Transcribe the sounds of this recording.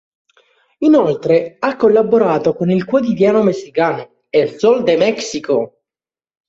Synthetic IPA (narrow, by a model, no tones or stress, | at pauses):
inolt̪ɾeakːolːaboɾaːt̪okonilkwot̪̬id̪jaːnomesːikaːno | elsold̪emɛksiko